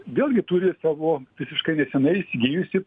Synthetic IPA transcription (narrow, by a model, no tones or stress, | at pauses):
ʋʲeːlˠʲɡʲɪt̪uɾʲɪsɑːʋoːʋʲɪsʲɪʃkɐɪnʲɛsʲɛnɐɪɪsʲɪɡʲiːjʊsʲɪ